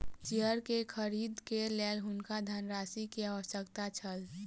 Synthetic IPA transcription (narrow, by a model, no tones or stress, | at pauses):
t͡ʃiəɾkekʰəɾiːd̪keleːlɦʊnkad̪ʱanɾaːsikeaʋəsəkt̪at͡ʃʰəl